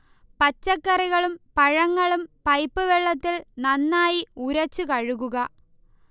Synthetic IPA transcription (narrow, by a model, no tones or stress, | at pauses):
pɐt͡ɕːɐkːɐriɣɐɭumpɐɻɐŋːɐɭumpɐjpːɨʋeɭːɐt̪ːilnɐnːaːjiuɾɐt͡ɕːukɐɻuɣuɣɐ